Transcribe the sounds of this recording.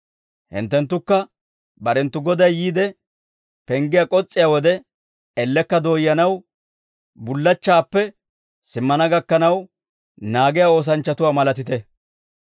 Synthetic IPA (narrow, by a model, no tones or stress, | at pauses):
hɪ̰nt̪ːɛnt̪ːʊkːɐ | bɐɾɛnt̪ːʊɡɔd̪ɐjːiːd̪ɛ | pɛŋɡɪjakʼɔt͡sʼːɪjaːwɔd̪ɛ | ɛlːɛkːɐd̪o̞ːjɐnɐw | bʊlːɐt͡ʃːaːpːɛ | sɪmːɐnɐɡɐkːɐnɐw | naːɡɪjao̞ːs̬ɐnt͡ʃːɐt̪ʊwaːmɐlɐt̪ɪt̪ɛ